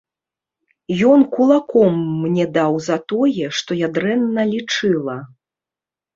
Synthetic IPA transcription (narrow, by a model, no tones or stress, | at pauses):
jɔnkulˠakɔmːnʲɛd̪awzɐt̪ɔjɛʂt̪ɔjad̪ɾɛnːɐlʲit͡ʂɨlˠɐ